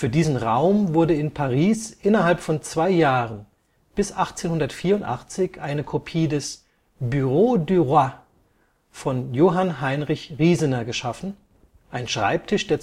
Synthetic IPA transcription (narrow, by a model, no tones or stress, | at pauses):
fyːɐdiːzn̩ʁaʊmvʊɐdəɪnpʰaʁiːsʔɪnɐɦalpfɔnt͡sv̥aɪjaːʁən | b̥ɪsʔaχt͡seːnhʊndɐtfiːɐʊntʔa̰χt͡sɪçʔaɪnəkʰopʰiːdɛs | byʁodyʁa | fɔnjoːɦanɦaɪnʁɪçʁiːzənɐɡəʃafn̩ | ʔaɪnʃʁ̥a̰ɪp̚tʰɪʃd̥eːɐ